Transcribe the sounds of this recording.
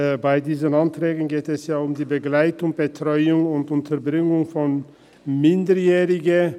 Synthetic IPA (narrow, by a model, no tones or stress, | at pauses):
baɪdiːzənantʁ̥ɛːɡən̩ɡeːtɛsjaːʊmdiːbəɡlaɪtʊŋb̥ətʁ̥ɔʏʊŋʊntʊntʰɐɐbʁɪŋʊŋfɔn | mɪndəjɛːʁɪɡə